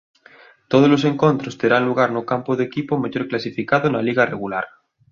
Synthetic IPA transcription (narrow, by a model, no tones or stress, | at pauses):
t̪oð̞ozlo̞se̞ŋko̞nt̪ɾost̪eɾanluɣ̞aɾnokampoðekipomaʝoɾklasifikaðonaliɣareɣulaɾ